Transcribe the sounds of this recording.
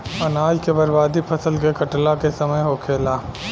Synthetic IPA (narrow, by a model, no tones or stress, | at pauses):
pɐnaːd͡ʒkebɐɾbaːd̪ipʰɐsəlk̬ekɐʈlakesɐməjɦokʰeːlaː